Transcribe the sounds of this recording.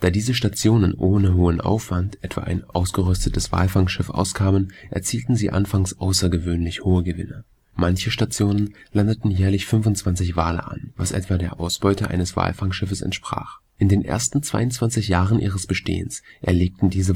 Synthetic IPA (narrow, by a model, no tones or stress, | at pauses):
d̥aːdiːzəʃtat͡sjoːnənʔoːnəɦoːənʔa̰ʊfv̥antʔɛtv̥a̰ːʔa̰ɪnʔaʊsɡ̥əʁʏstətəsv̥a̰ːlfaŋʃɪfʔa̰ʊskʰaːmənʔɛ̰ɐt͡siːltn̩ziːʔanfaŋsʔaʊsɐɡəvøːnlɪçhoːəɡəvɪnə | mançəʃtat͡sjoːnənlandətn̩jɛːɐlɪçfʏnfʊntt͡sv̥ant͡sɪçv̥aːlə̰ʔa̰nva̰sʔɛ̰tv̥aːdeːɐʔa̰ʊsb̥ɔʏtɐʔa̰ɪnəsv̥a̰ːlfaŋʃɪfəsɛ̰ntʃpʁ̥a̰ːχ | ʔɪndeːnʔḛːɐstn̩t͡sv̥a̰ɪʊnt͡sv̥ant͡sɪçjaːʁənʔiːʁ̞əsb̥əʃtḛːə̰nsʔɛ̰ɐleːk̚tn̩diːzə